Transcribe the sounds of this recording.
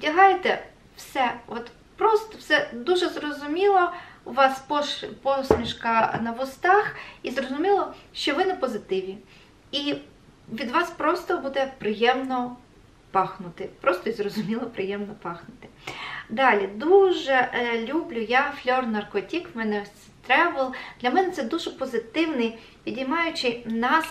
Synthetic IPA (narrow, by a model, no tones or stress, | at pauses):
dʲɐɦɑjet̪ɛ | wsɛɔt̪ | pɾɔst̪ɔwsɛd̪uʒɛzrɔzʊmʲilˠɔʋɑspɔpɔsʲmʲiʃkɐnɐʋʊst̪ɑxizrɔzʊmʲilˠɔʃt͡ʃɔʋɪnɛpɔzɪt̪ɪʋʲi | i | ʋʲid̪ʋɑspɾɔst̪ɔbud̪ɛpɾɪjɛmnɔ | pɑxnʊt̪ɪpɾɔst̪ɔizrɔzʊmʲilˠɔpɾɪjɛmnɔpɑxnʊt̪ɪ̥d̪ɑlʲid̪uʒɛlʲublʲʊjaflʲɔrnɐrkɔtʲikmɛnɛ | t̪ɾɛʋɐlˠd̪lʲɐmɛnɛt̪sɛd̪uʒɛpɔzɪt̪ɪwnɪj | pʲidʲijmɑjʊt͡ʃɪnɑs